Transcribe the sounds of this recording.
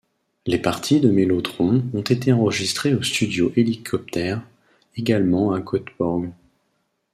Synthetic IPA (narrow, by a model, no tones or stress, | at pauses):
lepaʁt̪ʰid̪əmelot̪χɔ̃ɔ̃t̪et̪eɑ̃ʁəʒist̪χeost̪yd̪joʔelikʰɔp̚t̪ɛʁ | eɡalmɑ̃akʰɔt̪bɔʁɡ